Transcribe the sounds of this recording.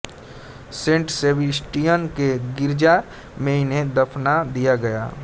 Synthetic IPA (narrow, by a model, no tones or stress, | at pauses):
sẽːɳʈseːbisʈijənkeɡɪɾd͡ʒa | mẽɪnẽd̪əpʰnad̪ijaɡɐja̰ː